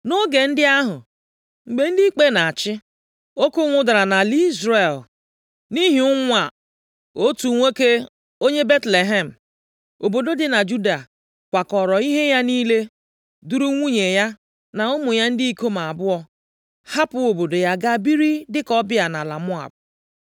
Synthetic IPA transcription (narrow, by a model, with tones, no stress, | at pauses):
no˦ɡe˨n̩˦dɪ˦a˦ɦʊ˨ | ŋ͡m̩˨ɡ͡be˨n̩˦di˦i˦k͡pe˦na˨a˨t͡ʃɪ˦ | o˦kʊ˦ŋʷʊ˦da˨ɾa˨na˨li˦zɾe˨l | ni˦ɦi˨ʊ˦ŋʷa˨ | o˦tu˨ŋʷe˦ke˦ | o˦ɲe˦be˦tle˨ɦe˦m̩˨ | o˨bo˨do˦dɪ˨na˨d͡ʒu˦da˨ | kʷa˨kɔ˨ɾɔ˨i˦ɦe˦ja˦niː˦le˦ | du˦ɾu˦ŋʷu˦ɲe˨ja˦ | na˨ʊ˦mʊ˨ja˦n̩˦dɪ˦i˦ko˦ma˨a˨bʊ˦ɔ˦ | ha˦pʊ˦o˨bo˨do˨ja˦ɡa˦bi˦ɾi˦dɪ˦kɔ˦bɪ˦a˨na˨la̰˨mʊ˦a̰˨b̚